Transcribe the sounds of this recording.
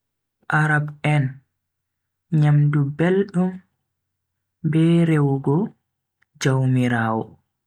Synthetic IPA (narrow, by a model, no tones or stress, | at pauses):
ʔaɾabɛn | ɲamdubelɗum | bɛɾewɡɔ | d͡ʒawmiɾaːwɔ